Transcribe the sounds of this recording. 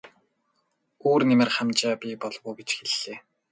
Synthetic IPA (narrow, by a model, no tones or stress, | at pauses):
uːrnemĕrχæmt͡ɕaːpʲiːpɔɮwʊːɡet͡ɕxeɮːeː